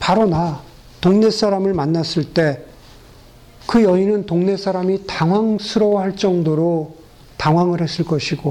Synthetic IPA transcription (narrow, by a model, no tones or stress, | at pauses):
paɾona | toŋne̞s͈ʰaɾamɯɭmanːas͈ɯɭt͈e̞ | kɯjʌinɯntoŋne̞sʰaɾamitaŋwaŋsʰɯɾʌwaɦaɭt͡ɕ͈ʌŋdoɾo | taŋwaŋɯɭhe̞s͈ɯɭk͈ʌɕʰiɡo